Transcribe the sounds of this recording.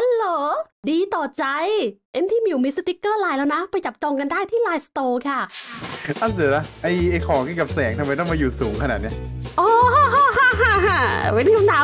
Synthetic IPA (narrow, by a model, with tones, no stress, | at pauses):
ʔa˧loː˨˩ | diː˧t̪ɔː˨˩t͡ɕa˧jʔe˦˧˥mt̪ʰiː˥˩˨mi˧˩wmi˦˥st̪i˦˥kːɤː˥˩laː˧jlɛː˦˥wna˦˥pa˧jt͡ɕa˨˩p̚t͡ɕɔː˧ŋka˧ndaː˥˩jt̪ʰiː˥˩laː˧jst̪oː˧kʰa˥˩ | ʔa˧˩sɯː˨˩˦la˦˥ʔa˧˩jʔa˧jkʰɔː˩˦ŋkka˨˩p̚sɛː˩˦ŋt̪ʰa˧ma˧jt̪̬ɔ˥˩ŋmaː˧juː˨˩suː˩˦ŋkʰa˧naː˨˩t̪̚ni˦˥ɐʔɔː˧˩˧ɦa˧˩ɦa˧˩a˧˩we˧˥nkʰa˧mdaː˨˦